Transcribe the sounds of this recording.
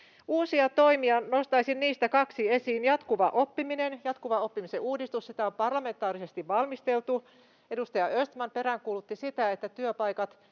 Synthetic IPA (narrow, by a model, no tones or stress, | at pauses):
uːsiɑt̪oimiɑno̞st̪ɑisinniːst̪ækɑksiesiːnjɑt̪kuʋɑʔopːiminenjɑt̪kuʋɑo̞pːimiseuːdist̪ussit̪æompɑrlɑme̞nt̪ːˑɑːɾisest̪iʋʋɑlmist̪elt̪u | edust̪ɑjɑøst̪mɑnpe̞ɾæŋkuːlut̪ːisit̪æet̪ːæt̪yøpɑikɑt̪